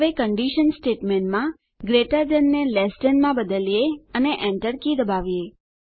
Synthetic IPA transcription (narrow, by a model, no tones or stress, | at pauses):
ʋekəɳɖiʃənsʈeʈmẽɳʈmã | ɡɾeʈəɾd͡ʒənːelesʈənmãbəd̪əlijeəneʔɛ̃ɳʈəɾkid̪əbaʋije